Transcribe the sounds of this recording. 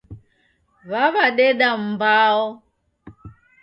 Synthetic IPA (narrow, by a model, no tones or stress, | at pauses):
βaβaɗɛɗam̩baɔ